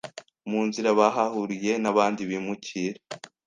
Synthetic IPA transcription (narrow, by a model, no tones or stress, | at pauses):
muːnziɾaβaɦahuɾije̞naβaːndiβiːmucʰiːɾe